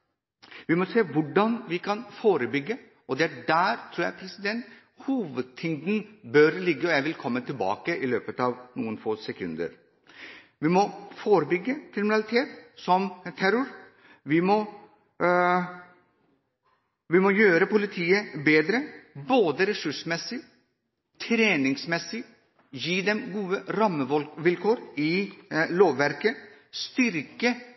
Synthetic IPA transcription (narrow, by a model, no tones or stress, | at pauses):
ʋɪmɔseːʋʊɖɑnʋɪkʰɑnfoːɾəbʏɡːə | ɔd̪ɛæɖæːɾt̪ʰɾuːjæ̰pʰɾɛsɪd̪ɛnt̪ | huːʋəd̪̚t̪ʰɪŋd̪n̩bœɾlɪɡːəɔjæɪʋɪlkʰɔmːət̪ʰɪlbɑ̰ːkəʔɪløːpət̪ɑʋnuːənfoːsɛkʰʉ̰nd̪ə̰ɾ | ʋɪmɔfoːɾəbʏɡːəkʰɾɪmɪnɑlɪt̪ʰeːt̪sɔmt̪ʰæɾʊɾ | ʋɪmɔ | ʋɪmɔjøːɾəpʊlɪt̪ʰiːəbeːd̪ɾəboːd̪əɾɛsʉʂəmɛsɪ | t̪ʰɾeːnɪŋsmɛsɪ | jiːd̪ɛmɡuːəɾɑmːəʋɪlkʰoːɾɪloːʋʋæɾkə | st̪ʏɾkə